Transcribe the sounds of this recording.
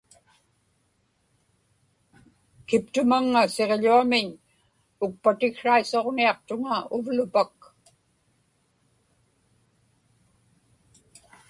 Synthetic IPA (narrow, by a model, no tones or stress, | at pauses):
kɪp̚t̪ʊmaŋːaseʁʎuamɪɲ | ʊk̚pat̪ɪkʂaiso̞ʁniɑq̚t̪ʊŋaʊvlʊpak